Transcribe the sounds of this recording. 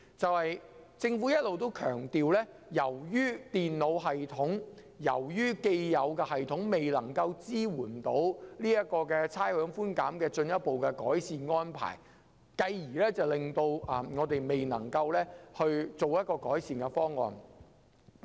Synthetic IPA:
t͡sɐ˨whɐ˨jt͡sɪ˧ŋfuː˨˥jɐ˥t̚lo˨wt̪o˥wkʰœ̰ː˨˩ŋt̪iː˨wlɛː˥ | jɐ˨˩wjyː˥t̪iː˨nlo˨˧wɦɐ˨jt̪ʰʊ˨˥ŋ | jɐ̰˨˩wjyː˥ke˧jjɐ˨˧wkɛː˧hɐ˨jt̪ʰʊ˨˥ŋme˨jlɐ˨˩ŋkɐ˧wt͡siː˥wuː˨˩nt̪o˨˥wliː˥jɐ˥t̚kɔː˧kɛ˧t͡sʰaː˥jhœː˨˥ŋfuː˥nka̰ː˨˥mkɛː˧t͡sɵ˧njɐ˥t̚po˨wkɛ˧kɔː˨˥jsiː˨nŋɔː˥npʰa̰ː˨˩j | kɐ˧jjiː˨˩lɛː˥t͡sɐ˨˩wlɪ˨ŋt̪o˧wɐ˨mŋɔː˨˧t̪e˨jme˨jnɐ̰˨˩ŋkɐ˧wlɛː˥hɵ˧ɥt͡so˨wjɐ˥t̚kɔː˧kɔː˨˥jsiː˨nkɛ˧fɔː˥ŋːɔ̰ː˨n

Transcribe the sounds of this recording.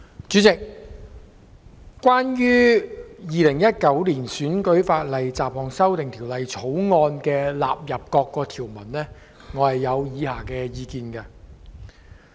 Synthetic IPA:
t͡ʃy˨˥t͡sɪ˨k̚ | kːʷaː˥njyː˥jiː˨lɪ˨˩ŋjɐ˥t̚kɐ˨˥wliː˨˩nsyː˨˥nkɵ˨˥ɥfaː˧t̚lɐ˨jt͡saː˨p̚hɔː˨˧ŋsɐ˥wt̪ɪ˨ŋt̪ʰiː˨˩wlɐ˨jt͡sʰo˨˥wŋɔː˧nkɛː˧la̰ː˨p̚jɐ˨p̚kɔː˧kːɔː˧t̪ʰiː˨˩wmɐ˨˩nlɛː˥ | ŋɔː˨˧hɐ˨jːɐ˨˧wjiː˨˧haː˨˩kɛː˧jiː˧kiː˨˧nkɐ˧

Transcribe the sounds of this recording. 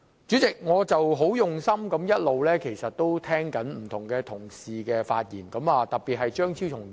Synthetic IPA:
t͡ʃyː˨˥t͡sɪ˨k̚ŋɔː˨˧t͡sɐ˨wɦo˨˥wjʊ˨ŋsɐ˥mkɐ˨˥mjɐ˥t̚lo˨wlɛː˥kʰe˨˩jsɐ˨t̚t̪o˥wt̪ʰɛː˥ŋkɐ˨˥nm̩˨˩t̪ʰʊ˨˩ŋkɛː˧t̪ʰʊ˨˩ŋsiː˨kɛː˧fa̰ː˧t̚jiː˨˩nkɐ˨˥maː˨˧t̪ɐ˨k̚piː˨t̚ɦɐ˨jt͡ʃœː˥ŋt͡sʰi˥wt͡ʃʰʊ˨˩ŋ

